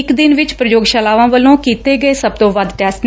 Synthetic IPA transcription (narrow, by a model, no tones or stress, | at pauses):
ɪkd̪ɪnʋɪt͡ʃpɾəjoːɡʃaːlaːʋãːʋəlõːkiːt̪eːɡəeːsəb̚t̪õːʋəd̪ʈɛːsʈn